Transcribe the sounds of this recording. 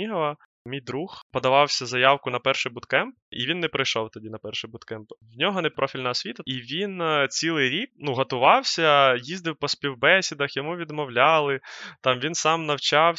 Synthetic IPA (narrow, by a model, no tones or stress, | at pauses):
iɦɔʋɐ | mʲijd̪ɾuxpɔd̪ɐʋɑwsʲɐzɐjɑwkʊnɐpɛrʃɪbʊt̪kɛmp̚ḭʋʲinːɛpɾɪjʃɔwt̪ɐdʲinɐpɛrʃɪbʊt̪kɛmpwnʲɔɦɔnɛpɾʔɔfʲilʲnɐɔsʲʋʲit̪ɐiʋʲint͡sʲilˠɪjɾʲik̚nuɦɐt̪ʊʋɑwsʲɐjizd̪ɪwpɔspʲiwbɛsʲid̪ɐxjɔmuʋʲid̪mɔwlʲɑlˠɪt̪ɑmʋʲinsɑmnɐwt͡ʃɑw